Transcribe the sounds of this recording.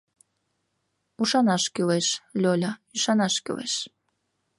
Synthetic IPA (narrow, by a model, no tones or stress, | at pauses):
uʃɑnɑʃkileʃlʲolʲɑyʃɑnɑʃkḭwḛʃ